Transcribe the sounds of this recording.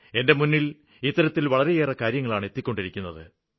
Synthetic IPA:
e̞nde̞munːil | it̪ːɐɾɐt̪ːilʋɐɭɐɾe̞jeːrɐkaːɾjɐŋːɐɭaːɳe̞t̪ːikʲːo̞ɳɖiɾikʲːunːɐðɨ̰

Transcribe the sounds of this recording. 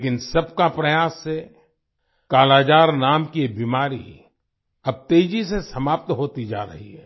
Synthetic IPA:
ekɪnsɐb̚kapɾɐjaːsːe | kaːlaːd͡ʒaːɾnaːmkiebiːmaːɾḭ | ɐb̚t̪eːd͡ʒisesɐmaːp̚t̪ɦoːt̪id͡ʒa̰ːɾɐ̰ɦḭɦɛː

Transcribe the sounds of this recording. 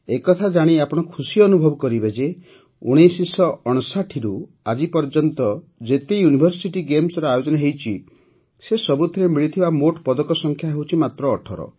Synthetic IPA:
ekɔt̪ʰad͡ʒaɽ̃iapɔɽ̃ɔkʰusiɔnubʱɔbɔkɔɾibed͡ʒe | o̰ɽ̃esisɔɔɽ̃ɔsaʈʰiɾu | ad͡ʒipɔɾd͡ʒɔnt̪ɔ | d͡ʒet̪ejunibʱɔɾsiʈiɡemsɔɾɔajod͡ʒɔnaɦewt͡ʃʰi | sesɔbut̪ʰiɾemiɭit̪ʰibamoʈpɔd̪ɔkɔsɔŋkʰjaɦewt͡ʃʰimat̪ɾɔːʈʰɔɾɔ̰

